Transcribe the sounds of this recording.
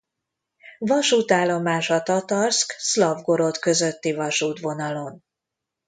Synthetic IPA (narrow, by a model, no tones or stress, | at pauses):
vɒʃuːt̪aːlːo̞maːʃɒt̪ɒt̪ɒrskslɒvɡo̞ɾo̞t̪kø̞zøt̪ːivɒʃuːt̪vo̞nɒlo̞n